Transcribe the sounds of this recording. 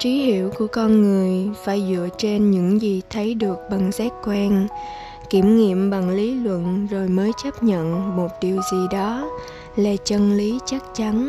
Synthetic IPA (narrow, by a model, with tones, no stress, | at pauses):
t͡ɕi˨˦hḭ˧˨əwku˧˩əkɔ˧nŋɨ˨˩əjfaː˧˩jzɨ̰˧˨ət͡ɕe˧nɲɨ̰˧˥ŋzi˨˩t̪ʰə˨˦jɗɨ˨˩ək̚ɓa˨˩ŋsɛː˦˥t̚kwaː˧n | ki˧˩əmŋḭ˧˨əmɓa˨˩ŋli˨˦lwə̰˧˨nzo˨˩jməː˨˦jt͡ɕə˦˥p̚ɲə̰˧˨nmo˨˩t̚ɗi˨˩əwzi˨˩ɗɔ˨˦ | laː˨˩t͡ɕə˧nli˨˦t͡ɕa˦˥k̚t͡ɕa˨˦n